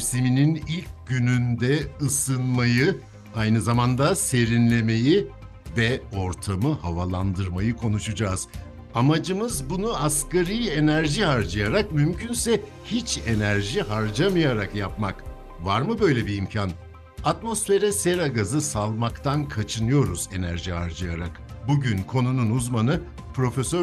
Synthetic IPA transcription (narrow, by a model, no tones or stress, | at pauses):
simininilʲc̚ɟynynd̪ɛɯsɯnmajɯ | ajnɯzamand̪ase̞ɾinlʲe̞me̞ji | vɛo̞ɾt̪ʰamɯhavalˠand̪ɯɾmajɯkʰo̞nuʃud͡ʒaːz̥ | amad͡ʒɯmɯzbunuaskaɾije̞næɾʒihaɾd͡ʒajaɾak̚mymcʰynsɛ | hit͡ʃe̞næɾʒiɦaɾd͡ʒamɯjaɾakjap̚mak | vaɾmɯbø̞jlʲebiːmcʰan | at̪mo̞sfe̞ɾɛse̞ɾaɡazɯsalˠmakt̪ʰankʰat͡ʃʰɯnɯjo̞ɾuze̞næɾʒihaɾd͡ʒɯjaɾak | buɟynkʰo̞nununuzmanɯ | pɾo̞fesø